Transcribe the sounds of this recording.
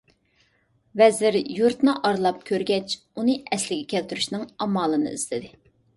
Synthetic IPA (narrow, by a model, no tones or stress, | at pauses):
vɛzɪɾjuɾt̪nɨʔɑɾlˠɑp̚kʲʰøɾɡʲɛt͡ʃ | unɨɛslɪɡʲɛkʲʰɛlt̪yɾyʃnɨŋɑmɑːlˠɨnɨ̰ḭslɪd̪ɪ